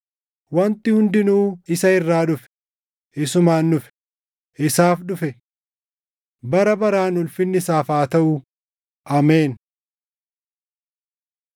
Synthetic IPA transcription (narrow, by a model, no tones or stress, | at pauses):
wɐnt̪ɪhʊnd̪ɪnuːɪsɐɪrːaːᶑʊfɛ̥ | ʔɪsʊmaːnːʊfɛ̥ | ʔɪsaːfɗʊfɛ | bɐɾɐbɐɾaːnʊlfɪnːɪsaːfaːt̪ɐʔʊ | ʔɐmeːn